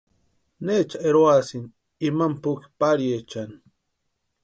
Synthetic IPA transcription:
neːt͡ʃaeɾoasin | imampʊki̥paɾjet͡ʃani

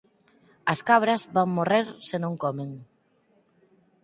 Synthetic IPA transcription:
ɐskaβɾɐzβaŋmoreɾsenõŋkɔmeŋ

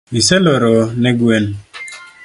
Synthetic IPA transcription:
miselɔɾɔnɛɡwen

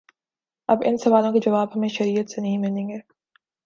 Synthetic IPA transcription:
ɐbɪ̰nsɐʋaːlõked͡ʒɐʋaːbɦɐmẽʃɐɾiːət̪senɐɦĩmɪlẽːɡeː

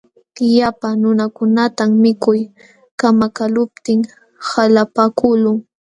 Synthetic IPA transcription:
japanʊnakʊnat̪ammɪkʊj | kamakalʊp̚t̪ɪŋ | halapakʊlʊŋ

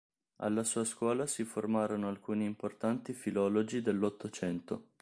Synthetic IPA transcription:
a̰lːasuːaskwɔːlasiformaːɾonoalkuːniːmport̪ant̪ifilɔːlod͡ʒid̪elːot̪ːot͡ʃɛnt̪o

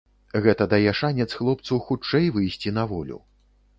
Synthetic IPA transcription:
ɣɛt̪ɐd̪ajɛʂanʲɛt̪sxlˠɔp̚t̪sɐwxut͡ʂɛjvɨjsʲt͡sʲinɐvɔlʲṵ

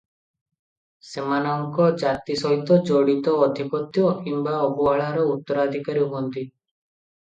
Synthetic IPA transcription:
semanɔŋkɔd͡ʒat̪isɔɦit̪ɔd͡ʒɔɽit̪ɔːd̪ʱipɔt̪jɔkimbaɔbuaɭaɾɔut̪ːɔɾad̪ʱikaɾiuɦuɔnt̪i

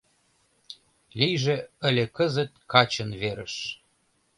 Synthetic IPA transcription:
lijʒeə̆lʲekəzət̪̚kɑt͡ɕənβeɾəʃ

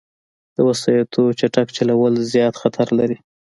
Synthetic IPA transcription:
d̪̥əwasɑjat̪ʰot͡ʃaʈakt͡ʃalawəlzjɑt̪xat̪ʰaɾlaɾi

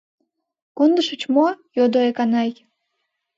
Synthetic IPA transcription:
kond̪əʃət͡ɕmojod̪oekɑnɑj

